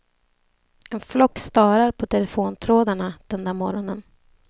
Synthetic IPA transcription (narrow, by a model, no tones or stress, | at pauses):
ɛnflɔkːst̪ɑːɾaɾpʰɔt̪ʰɛlɛfoːnt̪ʰɾoːd̪aɳad̪̥ɛnd̪amɔɾɔnən